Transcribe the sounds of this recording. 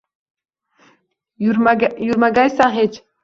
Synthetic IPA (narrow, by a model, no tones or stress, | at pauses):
juɾmaɡajsãɦɛt͡ʃ